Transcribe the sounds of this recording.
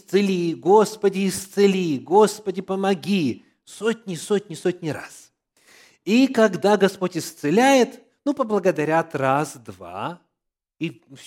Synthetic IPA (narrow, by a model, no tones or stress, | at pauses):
t̪sɨlʲiɡospədʲɪɪst̪sɨlʲiɡo̞spədʲɪpəmɐɡʲi | sotʲnʲɪsotʲnʲɪsotʲnʲɪɾa̰s | ikɐɡd̪aɡɐspotʲɪst̪sɨlʲæjɪt̪ | nupəblˠəɡəd̪ɐɾʲat̪rasd̪va̰ | i